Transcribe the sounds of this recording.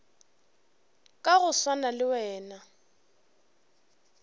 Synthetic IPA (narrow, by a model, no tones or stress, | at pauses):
kʼaɣʊswanalɪwɛːna